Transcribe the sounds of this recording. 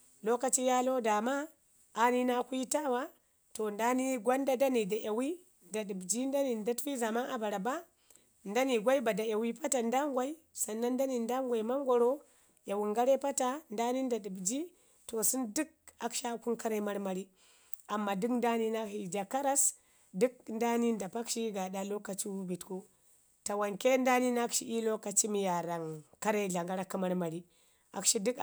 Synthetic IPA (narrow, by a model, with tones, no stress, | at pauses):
lo˦ka˦t͡ʃi˦ja˦lo˦da˨maː˦˨ | ni˦na˦kʷta˦wa˦ | to˨nda˦ni˦ɡʷa˦nda˦da˦ni˨da˨ʔa˨wi˦ | nda˨ɗi˨bd͡ʒi˦nda˦ni˨nda˦ti˦za˨ma˦na˨ba˨ɾa˨ba˦ | nda˦ni˨ɡʷa˦i˦ba˨da˨ja˨wi˦pa˦ta˨nda˦ŋɡʷa˦i˦ | sa˨nːa˦nda˦ni˨nda˦ŋɡʷa˨i˨ma˦mɡʷo˨ɾo˦ | ja˨wi˨ŋɡa˦ɾe˦pa˦ta˨nda˦ni˦nda˨ɗu˨bd͡ʒi˦ | to˨su˦ndu˦k̚a˨kʃa˦ku˦nka˦ɾa˦i˦ma˦ɾma˨ɾi˦ | a˨mːa˨du˦kn˦da˦ni˦na˦hi˨d͡ʒa˨ka˦ɾa˦s | du˦k̚nda˦ni˦nda˨pa˦kʃi˦ɡa˨da˨lo˦ka˨t͡ʃi˦wu˦bi˨tku˦ | ta˨wa˨nke˦nda˦ni˦na˦kʃi˦ʔi˦lo˦ka˨t͡ʃi˦mi˨ja˨ɾa˨ŋka˦ɾa˦i˦ɮa˨ŋɡa˦ɾa˦kːa˦ma˦ɾma˨ɾi˦ | a̰˨kʃi˦du˦k